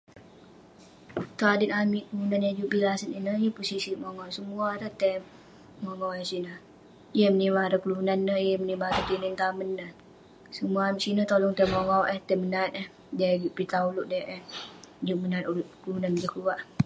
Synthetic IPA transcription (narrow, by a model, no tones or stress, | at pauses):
t̪əadənamiʔkəlunanjad͡ʒuʔbilasəninəjəpusisimoŋɔwsəmuaɾəht̪ɛ | moŋawɛsinə | ijəmənimaɾəkəlunanːəjəmənimaɾət̪inənt̪amənːə | səmuaamiʔsinət̪olɔŋt̪ɛmoŋawʔəht̪ɛmənat̪̚əh | daɡiʔpit̪aulʊʔdaʔəhd͡ʒuʔmənat̪uluʔkəlunand͡ʒəkluwaʔ